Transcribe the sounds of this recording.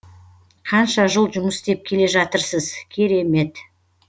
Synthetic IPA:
qʰɑnʃɑʒəlˠʒʊməst̪e̞p̚kʲʰe̞le̞ʒɑt̪əɾsəzkʲʰe̞ɾe̞me̞t̪

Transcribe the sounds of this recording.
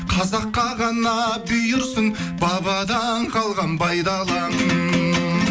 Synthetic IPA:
qʰɑzɑqːɑʁɑnɑbʏjɪɾsəŋ | bɑβɑd̪ɑnqʰɑlˠʁɑnpʰɑjd̪ɑlˠɑnən

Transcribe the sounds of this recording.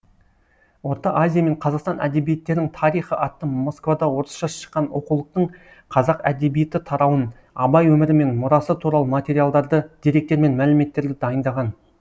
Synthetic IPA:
wo̞ɾt̪ɑʔazʲijame̞ɴqʰɑzɑqst̪ɑnʔæ̰d̪e̞bije̞t̪ːe̞ɾnɪŋt̪ʰɑɾijχəʔɑt̪ːəmo̞skvad̪ɑwo̞ɾəsʃɑsʃə̥qːɑnoqulˠəq̚t̪əɴ | qʰɑzɑqæ̰d̪e̞bije̞t̪ɪt̪ʰɑɾɑwən | ɑbɑjwɵmɪɾɪme̞nmʊɾɑsət̪ʰuɾɑlˠəmat̪ʲe̞ɾijalˠd̪ɑɾd̪əd̪̥eɾe̞k̚t̪e̞ɾme̞nmælɪme̞t̪ːe̞ɾd̪ɪd̪ɑjənd̪ɑʁɑn

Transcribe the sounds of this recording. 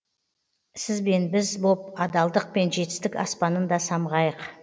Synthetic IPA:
sɪzbe̞nbɪzbo̞p̚ɑd̪ɑlˠd̪əq̚pe̞nʒe̞t̪ɪ̥st̪ɪkʲɑ̰spɑnənd̪ɑsɑmʁɑjəq

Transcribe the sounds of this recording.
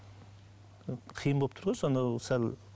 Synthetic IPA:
qʰijənbolˠp̚t̪ʰʊɾʁɑnsond̪ɑsæl

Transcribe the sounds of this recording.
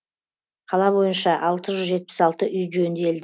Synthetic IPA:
qʰɑlˠɑbo̞jənʃɑʔɑlˠt̪əʒʏzʒe̞t̪̚pɪ̥sɑlˠt̪əʔʏjʒønd̪eld̪ɪ

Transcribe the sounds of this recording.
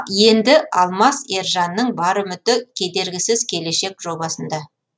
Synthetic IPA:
je̞nd̪ɪʔɑlˠmɑseɾʒɑnːəɴbɑɾəmʏt̪ɪkʲʰe̞d̪e̞ɾɡʲɪsɪzkʲʰe̞le̞ʃe̞kʒo̞bɑsənd̪ɑ

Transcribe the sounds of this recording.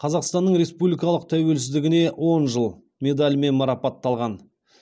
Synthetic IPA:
qʰɑzɑqst̪ɑnːəɴɾe̞spublijkɑlˠəq̚t̪ʰæwe̞lsɪzd̪ɪɡʲɪne̞wʔo̞nʒəlˠ | mʲe̞d̪alʲme̞nmɑɾɑpɑt̪ːɑlˠʁɑn

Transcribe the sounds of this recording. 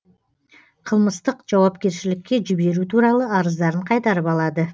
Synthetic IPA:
qʰəlˠməst̪əqʒ̥ɑwɑpkʲe̞ɾʃɪlɪkʲːe̞ʒɪbe̞ɾut̪ʰuɾɑlˠəɑɾəzd̪ɑɾəɴqʰɑjt̪ɑɾəpɑlˠɑd̪ə

